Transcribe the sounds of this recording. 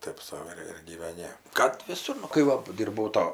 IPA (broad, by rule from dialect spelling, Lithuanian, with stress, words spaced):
ˈtɐɪp sɐʊ ɪr ɪr ɡʲiːʋʲɛˈnʲɪ kɐt ʋʲɪˈsʊr nʊ kɐɪ ˈʋɐ ˈdʲiːrbɐʊ ˈtoː